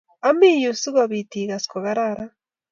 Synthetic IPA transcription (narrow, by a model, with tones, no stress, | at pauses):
a˦mi˦ju˨su˦ɣa˨βi˨ti˨ɣa˨skɔ˨ɣa˦ɾaɾa˦